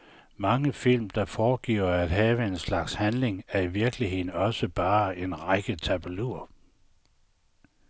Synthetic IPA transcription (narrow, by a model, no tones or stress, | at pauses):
mɑ̈ŋəfil̰md̥ɑ̈fɒːɡ̥ḭɐæd̥ɦɛːʋəe̝nslɑ̈ɡ̥shænle̝ŋæɐiʋiɐɡ̥lihe̝ð̰ˠn̩ɒ̽səb̥ɑ̈ːe̝nʁaɡ̥ət͡sʰæb̥æluɐ